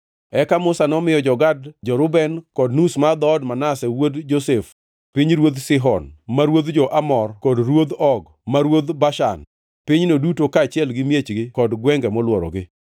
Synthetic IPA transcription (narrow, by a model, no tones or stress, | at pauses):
ɛkamʊsanɔmɪjɔd͡ʒɔɡad̚d͡ʒɔɾʊbɛnkɔdnusmad̪ɔːdmanasɛwodd͡ʒosef | piɲɾwod̪sɪɦɔnmaɾwod̪d͡ʒɔʔamɔrkɔdrwod̪ɔɡ | maɾwod̪baʃa̰n | piɲnodutokaːt͡ʃɪɛlɡɪmjet͡ʃɡɪkɔdɡwɛŋɡɛmɔlwɔɾɔ̰ɡɪ